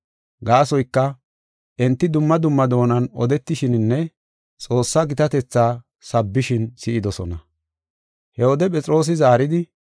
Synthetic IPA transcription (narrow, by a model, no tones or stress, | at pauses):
ɡaːsɔjkːɐ | ʔɛnt̪ːɪd̪ʊmːɐd̪ʊmːɐd̪o̞ːnɐnɔ̰d̪ɛt̪ːɪʃɪnnːɛ | t͡sʼo̞ːsːɐɡɪt̪ɐt̪ɛt͡sːaː | sɐbːɪʃɪnsɪʔɪd̪ɔsɔnɐ | hɛwɔd̪ɛpʼɛt͡sʼɾo̞ːs̬ɪzaːɾɪd̪ɪ